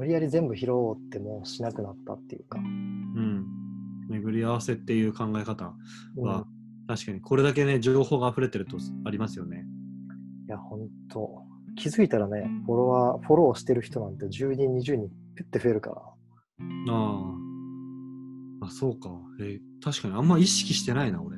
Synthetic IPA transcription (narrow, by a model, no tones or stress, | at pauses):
mɯ̟ɾʲijaɾʲizẽ̞mbɯ̟çiɾo̞t̪ːe̞mo̞ːɕinakɯ̟nat̪ːa̰t̪ːe̞jɯ̟̰kaɯ̟̃ɴ | me̞ɡɯ̟ɾʲiaβase̞t̪ːe̞jɯ̟ːkʰãŋɡae̞kat̪a̰ | βa | t̪aɕi̥kaɲ̟ikʰo̞ɾe̞d̪ak̬e̞ne̞d͡ʑoːho̞ːɡaːɸɯ̟ɾe̞t̪e̞ɾɯ̟t̪o̞aɾʲimasɨjo̞ne̞ | jahõ̞nt̪ʰo̞̰ | kʲʰizɨit̪aɾane̞ɸo̞ɾo̞βaɸo̞ɾo̞ːɕi̥t̪e̞ɾɯ̟çi̥t̪o̞nãnt̪e̞d͡ʑɨːɲĩɲ̟ːiʑɨːɲ̟ĩ | kɯ̟t̪ːeɸɯ̟e̞ɾɯ̟ka̰ɾa̰ | aː | so̞ːkaet̪aɕi̥kaɲ̟iãmːaiɕi̥kʲiɕi̥t̪e̞nainako̞ɾ